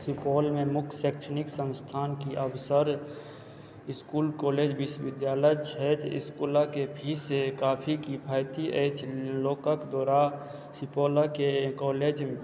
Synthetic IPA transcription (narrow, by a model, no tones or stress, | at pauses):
sipoːlmẽmʊkʰseːkt͡ʃʰənɪksə̃nst̪ʰaːnkiʔəwsəɾ | ɪskuːlkoːleːd͡ʒʋɪʃʋɪd̪jaːləjt͡ʃʰɛt̪ɪ̰skulakepʰisekaːpʰikipʰaːjt̪iʔət͡ʃʰloːkakd̪ɔːɾa | sipoːlakekɔːleːd͡ʒ